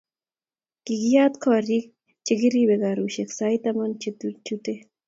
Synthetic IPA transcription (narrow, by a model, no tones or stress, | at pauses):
kiɡijaːt̪kʰɔːɾik̚ | t͡ʃiɡiɾibeɡaːɾuɕeksajt̪ɐmɐnt͡ʃit̪ut͡ʃut̪e